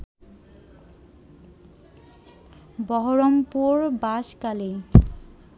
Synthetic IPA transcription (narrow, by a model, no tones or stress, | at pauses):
bɔɦoɹɔmpuɹbaʃkali